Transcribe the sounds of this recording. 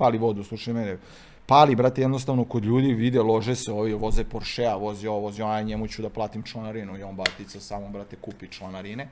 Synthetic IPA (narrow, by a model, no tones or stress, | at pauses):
paːliʋo̞d̪uslˠuʃajmene | paːlibɾat̪ejed̪nost̪aʋnokod̪ʎuːd̪iʋid̪elˠo̞ʒeseoːʋiʋozepoɾʃeaʋo̞zioʋozionaɲemut͡ɕud̪aplˠaːt̪imt͡ʃlanaɾinuioːnbat̪it̪sasaːmobɾat̪ekuːpit͡ʃlanaɾine